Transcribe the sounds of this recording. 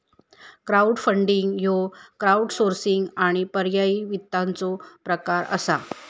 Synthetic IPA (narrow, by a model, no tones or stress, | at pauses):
kɾauɽfəɳɖiŋɡjokɾauɽsoɾsiŋɡaɽ̃ipəɾjaiʋit̪ːant͡sopɾəkaɾə̰sa